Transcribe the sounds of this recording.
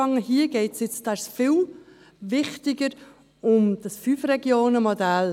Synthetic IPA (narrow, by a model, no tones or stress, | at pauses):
ɑŋəhiːəɡ̥ɛɪtsjɪt͡sd̥ɛsfɪl | vɪχtɪɡəɾ | ʊmd̥ɑsfyːfrɛɡjoːnəmodæl